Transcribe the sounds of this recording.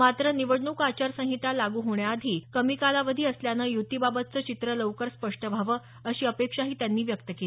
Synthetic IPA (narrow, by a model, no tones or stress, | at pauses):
mat̪ɾəniʋəɽɳuːkat͡ɕaɾsə̃ɦit̪alaɡuːɦoɳjaːd̪ʱiːkəmikalaʋəd̪ʱiːəsljanəjut̪ibabət̪̚t͡sət͡ɕit̪ɾələʋkəɾspəʂʈəbʱaʋə | əɕiːəpekʂaɦiːt̪janːiːʋjəkt̪əkeli